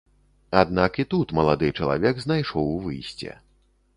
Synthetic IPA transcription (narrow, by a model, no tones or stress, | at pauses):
ad̪nakit̪ut̪mɐlˠad̪ɨt͡ʂɐlˠa̰vʲɛɡznajʂɔwvɨ̰jsʲt͡sʲɛ̰